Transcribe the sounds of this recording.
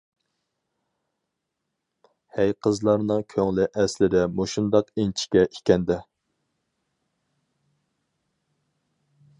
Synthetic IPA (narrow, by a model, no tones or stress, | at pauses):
hæjqʰəzlˠɑɾnɨŋkʲʰøŋlɪʔɛslɪd̪ɛmoʃund̪ɑqent͡ʃʰi̥kʲɛʔikʲɛnd̪ɛ